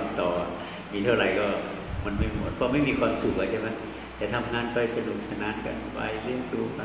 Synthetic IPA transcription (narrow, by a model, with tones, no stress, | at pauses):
mt̪ɔː˨˩ | miː˧t̪ʰa˥˩ɾa˨˩jkɔː˥˩ | ma˧nma˥˩jmo˨˧˩t̪̚pʰɔː˧˥ma˥˩jmiː˧kʰwaː˧msu˨˩k̚la˧˩t͡ɕʰa˥˩ma˦˥j | t̪ɛː˨˩t̪ʰa˧mŋaː˧npa˧˩jsa˧nu˨˩k̚sa˧naː˧˥˨nka̰˧npa̰˧jli˥˩əmduː˧pa˧